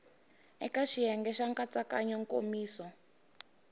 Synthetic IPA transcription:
ɛ̰kaʃiɦɛŋɡɛʃaŋkat͡sakaɲɔŋkʼo̰miːsɔ

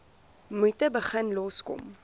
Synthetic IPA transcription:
mutəbəχənlɔskɔ̰m

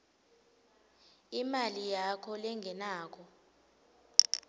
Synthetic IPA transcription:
imalijakʰɔlɛŋʱɛnaːk̬ʰɔ

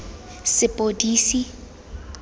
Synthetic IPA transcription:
sɪpʼodiːsi

